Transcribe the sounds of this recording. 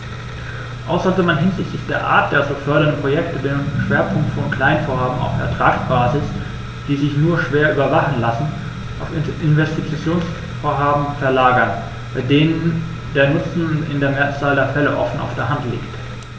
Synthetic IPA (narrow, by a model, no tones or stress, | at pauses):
ʔaʊsɐzɔmanɦɪnzɪçtlɪçd̥eːɐʔa̰ːɐt̚d̥eːzofœɐɾɐndəpʁ̥ojɛktəbɪnənʃv̥eːɐpʰʊŋktfɔnkʰl̥aɪnənfoːɐhaːbm̩a̰ʊfɛ̰ɐtʁ̥aːksb̥aːzɪs | d̥iːzɪçnuːɐʃv̥eːɐʔy̰ːbɐvaχn̩lasn̩ | ʔaʊfɪnvɛstit͡st͡sjoːns | foːɐɦaːbm̩fɛɐlaːɡɐn | b̥aɪdeːnən | deːɐnʊt͡sn̩nɪ̰ndeːɐmeɐt͡saːldeːɐfɛləʔɔ̰fn̩ʔa̰ʊfd̥eːɐɦantlḭːkt